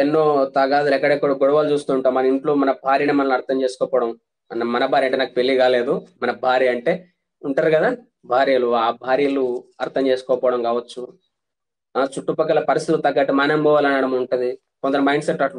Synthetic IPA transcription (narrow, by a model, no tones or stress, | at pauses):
enːo̞ːt̪ɐɡaːd̪ɐɾɛkːɐɽekːuːɽɐɡɔɽɐʋaːlt͡ʃuːst̪uːɳʈaːɾumɐnɐiɳʈlo̞ːmɐnɐbʱaːɾijneːmɐnɐluɐɾt̪ʰɐmt͡ʃeːsu̥kɔːpɔːɽɐm | nɐmɐnɐbʱaːɾiɐɳʈeːnaːkupelːiɡaːle̞ːd̪umɐnɐbʱaːɾiːɐɳʈe̞ː | uɳʈaːɾukɐd̪aː | bʱaːɾijɐluaːbʱaːɾijɐluɐɾt̪ʰɐmt͡ʃe̞ːsu̥kɔːpɔːʋɽɐmkaːʋɐt͡ʃːu | t͡ʃuʈːupɐkːɐlɐpɐɾist̪it̪ult̪ɐɡːaːʈimaːnɐmbʱɐʋaːlɐnɐɽɐmuɳʈund̪i | kɔnd̪ɐɾɐmɐjɳɖseʈːɐʈ